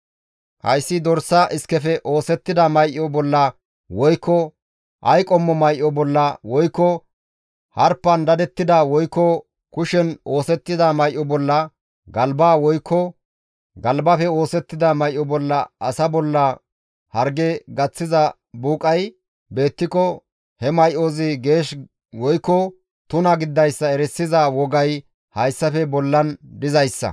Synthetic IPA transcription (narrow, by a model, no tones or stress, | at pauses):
hɐ̰jsːɪd̪ɔɾsːɐʔɪskɛfɛʔo̞ːsɛt̪ːɪd̪ɐmɐjʔɔbɔlːɐ | wɔjkːɔ | ʔɐjkʼɔmːɔmɐjʔɔbɔlːɐwɔjkːɔ | hɐɾpːɐnd̪ɐd̪ɛt̪ːɪd̪ɐwɔjkːɔ | kʊʃɛno̞ːsɛt̪ːɪd̪ɐmɐjʔːɔbɔlːɐ | ɡɐlbaːwɔjkːɔ | ɡɐlbɐfɛo̞ːsɛt̪ːɪd̪ɐmɐjʔɔbɔlːɐʔɐsɐbɔlːɐ | hɐɾɡɛɡɐt͡sːɪzɐ | buːkʼɐj | be̞ːt̪ːɪkɔ | hɛmɐjʔozɪɡe̞ːʃ | wɔjkːɔ | t̪ʊnɐɡɪd̪ːɐjsːɐɛɾɛsːɪzɐwɔɡɐj | hɐjsːɐfɛbɔlːɐnd̪ɪzɐjsːɐ̰